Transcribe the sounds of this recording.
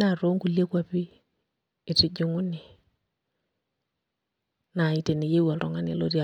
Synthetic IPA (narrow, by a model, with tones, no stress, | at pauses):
na˨ɾo˦ŋɡu˨le˦kwa˦piː˦˨ | tɪ˨d͡ʒu˦ŋu˦ni˨ | na˨i˨te˨nɪ˨je˦wa˨ɾɔ˨ŋa˦nḛ˨˦lo˦ɾi˦a˨